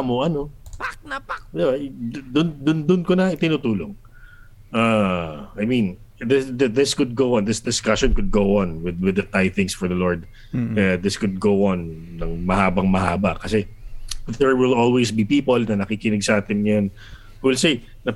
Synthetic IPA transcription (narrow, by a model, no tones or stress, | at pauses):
moʔɐnopak̚nɐpak̚d̪ɪbad̪ʊnd̪ʊnd̪ʊnkonɐɪt̪ɪnuːt̪uːloŋ | ʔaɐjmĩn | ðɪsðɐðɪskʊd̪̚ɡowɔ̃nðɪsd̪ɪskaʃɔ̃nkʊd̪̚ɡowʔɐ̃nwɪdwɪd̪ɐt̪ajθɪ̃ŋsfɔɹðɐlɔɹd̪̚ | kɐad̪ɪskʊd̪̚ɡowʔɐnːɐŋmɐhaːbɐŋmɐha̰ːbɐkɐsɛ | dɛɹwɪlolwesbipiːpolnɐnɐkikɪnɪɡsɐʔaːt̪ɪnjon | wɪlsej | nɐ